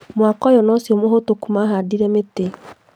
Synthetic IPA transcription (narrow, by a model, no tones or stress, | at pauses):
mwakɔjɔnɔsiomoɦotokumaɦadiɾɛmete